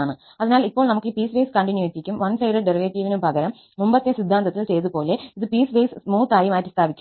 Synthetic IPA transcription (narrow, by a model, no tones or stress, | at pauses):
aːɳɯ | ɐðɐnaːlɐipːoːɭnɐmɐkːɯpiːsʋeːskɐɳʈɪnjueːtːikʲːɯmʋɐnsɐɪɖɐɖɛɾiʋeːʈːiʋinɯpɐɣɐɾɐmːʊmbɐt̪ːejɐsɪd̪ʱːaːnd̪ɐt̪ːɪlsejðɯpoːleɪðɯpiːsʋeːsmuːt̪aːjɐmaːjiʈːɨst̪aːbikʲːɯ